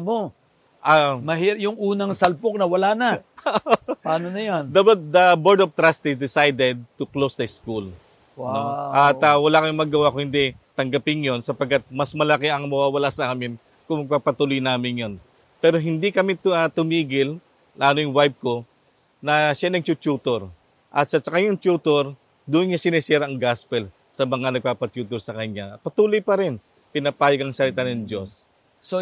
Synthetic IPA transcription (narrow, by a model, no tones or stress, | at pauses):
mo | ʔɐmɐhijʊŋuːnɐŋsɐlpok̚nɐwɐlaːnɐ | paːnonɐjond̪ɐd̪ɐboɹd̪oft̪ɾast̪ɪsd̪ɪsajd̪ɛd̪̚t̪ʊklosd̪ɐskul | wnoʔɐt̪ɐwɐlakɐmɪŋmɐɡːɐwakohɪnd̪ɛt̪ɐŋɡɐpɪŋjonsɐpɐɡ̚kːat̪̚mɐsmɐlɐkɛʔɐŋmɐwaːwɐlasɐʔaːmɪn | kʊŋmɐɡ̚papɐt̪ulojnaːmɪnjon | pɛːɾo̞ɦɪnd̪ikɐmiɐt̪ʊmiːɡɪl | lʔaːnojʊŋwajb̚ko̞ | nɐʃanɐɡ̚t͡ʃʊt͡ʃuːt̪oɾ | ʔɐt̪̚sɐt͡ʃɐkaɲɐŋt͡ʃuːt̪oɾ | d̪uːʔnɲasɪnɪsɛːɾɐʔɐŋɡaspɛl | sɐmɐŋanɐɡ̚paːpɐt͡ʃjuːt̪ɛɾsɐkɐɲːapɐt̪uːlojpɐɾɪn | pɪnɐpaːjoɡɐŋsɐlɪt̪anɐnd͡ʒo̞s | s